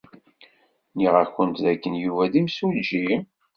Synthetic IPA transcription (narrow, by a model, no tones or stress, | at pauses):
niʁæçənt̪ðækːənjuvæðimsulʒi